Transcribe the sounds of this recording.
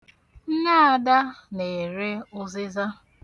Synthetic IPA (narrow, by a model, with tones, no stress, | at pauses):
n̩˦na˦a˦˨da˦ne˨ɾe˦ʊ˦zɪ˦za˦